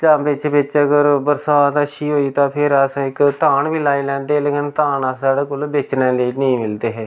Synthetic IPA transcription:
t͡ʃaːmbɪt͡ʃʋɪt͡ʃəɡəɾbəɾsaːt̪əʃiːɦoːiːt̪ãːpʰɪɾəsãːɪkt̪aːɳʋiːlaːiːlɛ̃ːnd̪eːleːkɪnt̪aːnasaːɽeːkoːlbeːt͡ʃnẽːleːnəĩːmɪld̪eːɦɛː

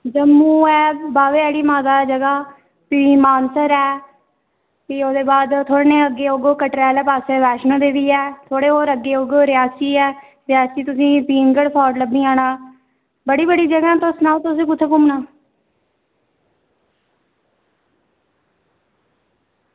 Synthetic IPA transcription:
d͡ʒəmːũːɛːbaːʋeːɛːɽiːmaːd̪aːd͡ʒəɡaː | piːmaːnsəɾɛː | piːoːd̪eːbaːd̪t̪ʰoːɽneːəɡeːoɡoːkəʈɾɛːlːpaːseʋɛːʃnõːd̪eːʋiːɛːt̪ʰoːɽeːɦoːɾəɡːeːoɡoːɾɪaːsiːɛː | ɾɪjaːsiːt̪ʊsĩːpiːnɡəɽpʰɔːɖləbnĩːaːnaː | bəɽiːbəɽiːd͡ʒəɡãːt̪osnãːt̪ʊsẽːkʊt̪ʰːeːkʊmnaː

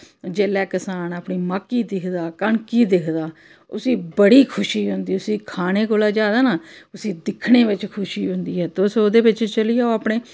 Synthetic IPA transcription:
d͡ʒeːlɛːkəsaːnaːpɳiːmaːkiːd̪ɪkʰd̪aːkəɳkiːd̪ɪkʰd̪aː | ʊsĩːbəɽiːkʰʊʃiːɦʊnd̪iːʊsĩːkʰaːneːkoːlaːd͡ʒaːd̪aːnaːʊsĩːd̪ɪkʰɽeːʋɪt͡ʃkʰʊʃiːɦʊ̃nd̪iːɦɛːt̪ːsoːd̪eːʋɪt͡ʃt͡ʃəliːjaːoaːpɳeː

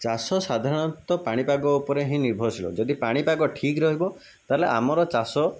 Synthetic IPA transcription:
t͡ʃasɔsad̪ʱaɾɔɽ̃ɔt̪ɔpaɽ̃ipaɡɔupɔɾeɦĩniɾbʱɔsilɔ̰d͡ʒɔd̪ipaɽ̃ipaɡɔʈʰikɾɔɦibɔ | t̪aɦeleʔa̰mɔɾɔt͡ʃasɔ

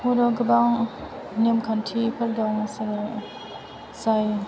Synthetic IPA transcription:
hudɔɡɯbaŋ | nimkʰantʰipʰaldɔŋs | saj

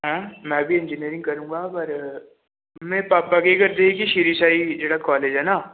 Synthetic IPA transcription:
ɦɛ̃ːmɛ̃ːbʱiɪ̃nd͡ʒiniəɾɪ̃ŋɡ̚kɐɾũːŋɡapɐɾ | mɛ̃ːpapɐɡekɐɾt̪eẽkiʃiːɾisaːid͡ʒeːɽakɔːleːd͡ʒɦɛnaː

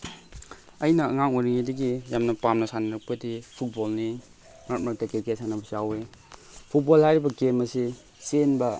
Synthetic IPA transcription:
ɐjnɐɐŋaŋojɾiŋidɐɡijamnɐpamnɐsanɐɾɐk̚pɐdipʰut̚bolni | mat̚mak̚tɐkekesanɐbɐsiawepʰut̚bolhajɾibɐɡemɐsi | senbɐ

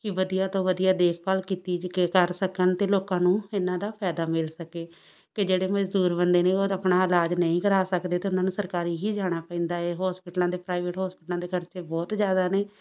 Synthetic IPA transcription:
kɪʋəd̪ijaːt̪õːʋəd̪ijaːd̪eːkʰpaːlkiːt̪iːkekəɾsəkənt̪eːloːkãːnũːɪnãːd̪aːpʰɛːd̪aːmɪlsəkeː | kɪd͡ʒeːɽeːməd͡ʒd̪uːɾbənd̪eːneːoːəpnaːɪlaːd͡ʒnəĩːkəɾaːsəkd̪eːt̪eːʊnːãːnũːsəɾkaːɾiːɦiːd͡ʒaːɽ̃aːpɛ̃ĩːnd̪aːeːɦɔːspɪʈlãːd̪eːpɾaːɪʋeːʈɦɔːspɪʈlãːd̪eːkəɾt͡ʃeːbɔːt̪d͡ʒjaːd̪aːneː

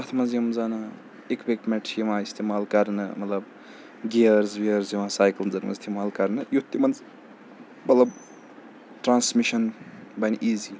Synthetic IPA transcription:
ɐt̪ʰmɐzjimzanɨ | ekbek̚mɛʈʰijimãːist̪ʰemaːlkɐɾnɨ̰mɐt̪lɐb | ɡiɐɾzʋiəɾziʋãsaːjkɐlmzɐnmɐ̰ist̪ʰemaːlkɐɾnɨjut̪ːimɐnz | mɐt̪lɐb | ʈɾaːnsmiʃɐnbɐnʔiːzi

